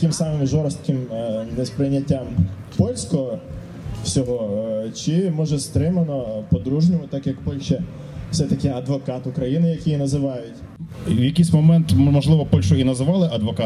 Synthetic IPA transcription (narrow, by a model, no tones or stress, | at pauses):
kɪmsɑmɪmʒɔɾst̪kɪmnɛspɾɪnʲːɐtʲːam | pɔlʲsʲkɔɔ | wsʲɔɦɔt͡ʃɪmɔʒɛst̪ɾɪmɐnɔpɔd̪ɾuʒnʲʊʋɐt̪ɑkjɐkpɔlʲʃɛ | w̥sɛt̪ɐkɪɐd̪ʋɔkɑt̪ʊkɾɐjinɪjɐkʲijnɐzɪʋɑjʊtʲ | wjɐkʲijsʲmɔmɛnt̪mɔʒlˠɪʋɔpɔlʲʃʊinɐzɪʋɑlˠɪʔɐd̪ʋɔkɑ